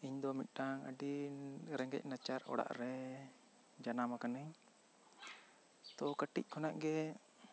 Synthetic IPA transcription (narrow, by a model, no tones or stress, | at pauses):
iɲd̪ɔmit̪̚ˀʈaŋə̰ɖiɾɛŋɡɛ̰c̚ˀnat͡ʃaɾɔ̰ɽa̰ʔɾɛ | d͡ʒanamakanəɲ | t̪ɔkəʈic̚kʰɔnaʔɡɛ